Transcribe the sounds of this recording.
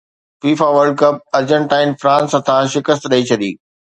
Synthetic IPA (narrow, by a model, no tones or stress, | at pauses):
fiːfaːʋəɾɖ̚kɐp̚ɐɾd͡ʑə̃ɳʈaːɪnfɾãːnsət̪ʰãʃɪkəst̪ɗɐit͡ɕʰɐɗ̪ḭː